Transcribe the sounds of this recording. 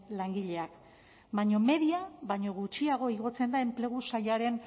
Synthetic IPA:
laŋɡiʎe̞ak | βajɲo̞me̞ðiaβajɲo̞ɣut͡ʃiaɣ̞o̞iɣ̞o̞t͡se̞nd̪ae̞mple̞ɣ̞usajaɾe̞n

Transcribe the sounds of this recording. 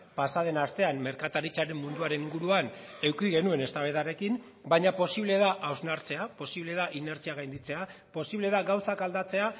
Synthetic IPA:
pasað̞e̞nast̪e̞amme̞ɾkat̪aɾit͡saɾe̞mmund̪uaɾe̞niŋɡuɾuan | e̞wkiɣe̞nue̞ne̞st̪aβeðaɾe̞kin | baɲapo̞siβleðaʔawznaɾt͡se̞apo̞siβle̞ðaʔine̞ɾt͡siaɣ̞ajnd̪it͡se̞apo̞siβle̞ðaɣawsakald̪at͡se̞a

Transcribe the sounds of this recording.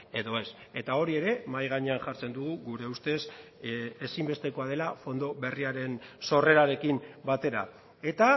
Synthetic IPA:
e̞ðo̞e̞se̞t̪ao̞ɾie̞ɾe̞majɣ̞aɲe̞anʝaɾt͡se̞nd̪uɣuɣuɾe̞ust̪e̞s | esimbe̞st̪e̞ko̞að̞e̞lafo̞nd̪o̞βe̞riaɾe̞nso̞re̞ɾaɾe̞kimbat̪e̞ɾa̰ | e̞t̪a

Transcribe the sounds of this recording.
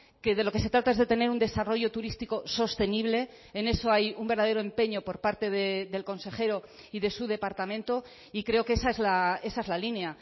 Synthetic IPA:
ke̞ðe̞lo̞ke̞se̞t̪ɾat̪aezðe̞t̪e̞ne̞ɾund̪e̞saro̞ʝo̞t̪uɾist̪iko̞so̞st̪e̞niβle̞ː | ne̞so̞ajumbe̞ɾðaðeɾo̞e̞mpe̞ɲo̞po̞ɾpaɾt̪e̞ðe̞ðe̞lko̞nse̞χe̞ɾo̞ | iðe̞suðe̞paɾt̪amẽ̞nt̪o̞ | ikɾe̞o̞kee̞saezlae̞saezlalinea

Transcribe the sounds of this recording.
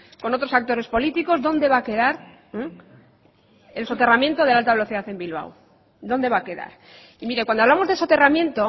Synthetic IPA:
ko̞no̞t̪ɾo̞sak̚t̪o̞ɾe̞spo̞lit̪iko̞zðo̞nd̪e̞βake̞ðaɾ | elso̞t̪e̞ramjent̪o̞ð̞e̞lalt̪aβe̞lo̞θiðaθe̞mbilβ̞a̰w | d̪o̞nd̪e̞βake̞ða̰ɾ | imiɾe̞kwand̪oaβlamo̞zðeso̞t̪e̞ramjẽ̞nt̪o̞

